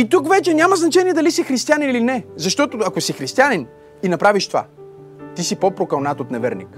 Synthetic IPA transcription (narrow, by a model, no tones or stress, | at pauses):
it̪ukvɛt͡ʃɛnʲamɐznɐt͡ʃɛniɛd̪ɐlisixɾist̪ijaninilinɛzɐʃt̪ɔt̪oɐkosixɾist̪ianin | inɐpɾaviʃt̪ova̰ | t̪isipopɾokɐlˠnat̪ot̪nɛvɛɾnḭk